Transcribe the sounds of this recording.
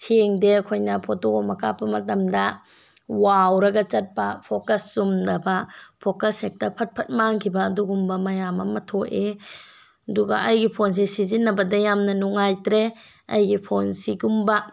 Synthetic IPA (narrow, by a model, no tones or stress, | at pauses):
sʰeŋdekʰojnɐpʰotoɡɔmɐkʰapɐmɐtɐmdɐ | wawɾɐɡɐt͡ʃɐt̚pɐpʰokɐsːumnɐbɐpʰokɐsek̚tɐpʰɐt̚pʰɐt̚maŋkʰibɐːduɡumbɐmɐjamɐ̰mɐtʰoʔe | ɐduɡɐ̰ʔɐjɡipʰons̬esizinːɐbɐdɐjamnɐnuŋajtɾe | ɐjɡipʰonsiɡumbɐ